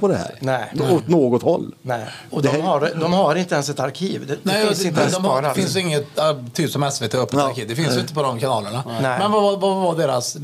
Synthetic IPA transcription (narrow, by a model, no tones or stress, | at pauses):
pʰɔd̪ɛhæ̰ːɾnɛɪɔt̪noːɡɔt̪hɔ̰lːnɛɪɔd̪ɔmhaɖd̪ɔmhaɾɪnt̪əɛnsɛt̪aɾkʰiːvd̪ɛdnɛɪsɪnt̪əɛnsd̪ɔmːɾafɪns̬jɪŋːət̪at̪ʰːyːpsɔmɛsveːt̪ʰeœpːɛaɾkʰiːvd̪ɛfɪnsjʏɪnt̪əpʰɔd̪ɔmkʰanɑːləɳanɛmɛnvavavavaɖeːɾas